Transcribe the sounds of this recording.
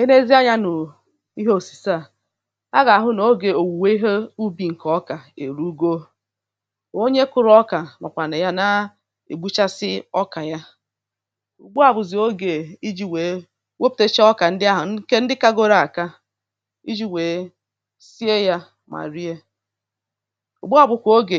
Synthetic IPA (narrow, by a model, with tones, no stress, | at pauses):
e˦ne˦zi˦a˦ɲa˦nʊ˨ | i˦ɦo˨si̥˨sa˦˨ | a˦ɡa˨a˨ɦʊ˦no˦ɡe˨o˨wu˨we˦i˦ɦe˦u˦bi˨ŋ̩˨kɔ˦ka˨ḛ˨ɾu˦ɡo˦ | o˦ɲe˦kʊ˨ɾɔ˦ka˨ma˨kʷa˨ne˨ja˦na˦ | ḛ˨ɡ͡bu˦t͡ʃa˦sɪ˦ɔ˦ka˨ja˦ | ṵ˨ɡ͡bu˦a˨bʊ˨zɪ˨o˦ɡe˨i˦d͡ʒi˨we˨ | we˦p̚te˦t͡ʃɔ˦ka˨n̩˦dɪ˦a˦ɦʊ˨˦ke˦n̩˦dɪ˦ka˦ɡo˦ɾa˨a˨ka˦ | ḭ˦d͡ʒi˨we˨ | si˦e˦ja˦ | ma̰˨ɾi˦e˦ | ṵ˨ɡ͡bu˦a˨bʊ˨kʷo˦ɡe˨